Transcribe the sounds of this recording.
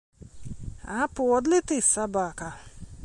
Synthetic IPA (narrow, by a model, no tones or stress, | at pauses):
apod̪lit̪isabaːka